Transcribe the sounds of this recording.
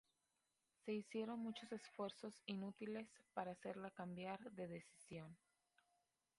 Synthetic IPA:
se̞isje̞ɾo̞nmut͡ʃo̞se̞sfwe̞ɾso̞sinut̪ile̞spaɾaːse̞ɾlakambjaɾðe̞ðe̞si̥sjo̞n

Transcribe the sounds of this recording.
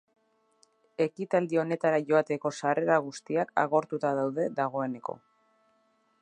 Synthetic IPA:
e̞kit̪ald̪io̞ne̞t̪aɾaʝo̞at̪e̞ko̞sareɾaɣust̪iaka̰ɣ̞o̞ɾt̪ut̪aðawðe̞ðaɣ̞o̞e̞ne̞ko̞̰

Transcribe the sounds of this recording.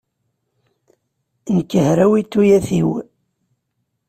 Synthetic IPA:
nəkːəhɾæwit̪ːujæθiw

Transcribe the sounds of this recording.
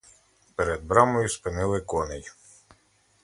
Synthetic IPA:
peɾɛd̪̚bɾɑmɔjuspɪnɪlˠɪkɔnɛj

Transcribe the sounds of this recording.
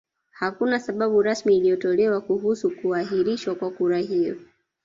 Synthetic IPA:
hakunasaɓaɓuɾasmiːlijɔtɔlɛwakuɦusukuahiɾiʃwakwakuɾaɦijɔ̰

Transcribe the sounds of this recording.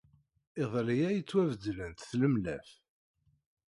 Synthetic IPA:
ɪðˤlijæjət͡sːwævəd̪lənt̪θləmlæ̰f

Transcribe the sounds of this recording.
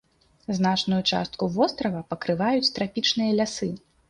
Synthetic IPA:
znat͡ʂnujut͡ʂa̰st̪̚kuvɔst̪ɾɐvɐpɐkɾɨvajut͡sʲt̪ɾapʲit͡ʂnɨjɐlʲasɨ

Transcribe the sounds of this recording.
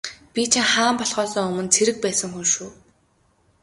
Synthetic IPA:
pʲit͡ɕʰiŋχaːmpɔɮχɔːsɞ̆ːŋɵmɵ̆nt͡sʰeɾɘ̆k̚pæːsə̆ŋxunʃuː

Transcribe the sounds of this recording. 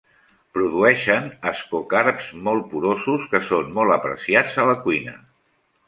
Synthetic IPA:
pɾuðuɛʃənəskokaɾpz̥mɔlˠpuɾozuskəsonmɔlˠəpɾə̰siad͡zələkwinə̰

